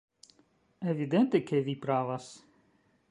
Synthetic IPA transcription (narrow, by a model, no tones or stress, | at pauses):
evid̪ɛnt̪ekʰevipɾavas